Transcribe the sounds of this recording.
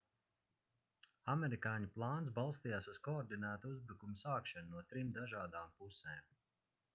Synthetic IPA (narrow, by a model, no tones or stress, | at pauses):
amɛɾikaːɲiplˠɑːnsbalˠst̪ijaːsuzkɔːɾd̪inæːt̪uuzbɾukumusaːkʃanunuɔt̪ɾimd̪aʒaːd̪aːmpuseːm